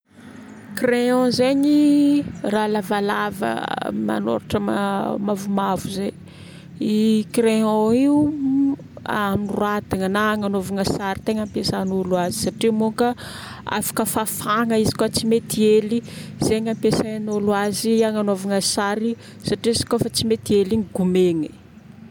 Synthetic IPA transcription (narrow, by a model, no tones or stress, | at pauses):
kreɔ̃zeɲi | raːlavalavə̰ma̰no̰ɾaʈ͡ʂəma̰mavumavuze | ikreɔ̃iu | amruad̪iŋənaŋanovaŋasaɾit̪eŋampesanuluazisaʈ͡ʂimoŋkə | a̰fḁkəfafaŋəizi̥kot͡simet̪ieliz̥eɲampesaanuluaziaŋanovaŋasaɾi | saʈ͡ʂiizi̥kofat͡simet̪ieliŋɡumeŋi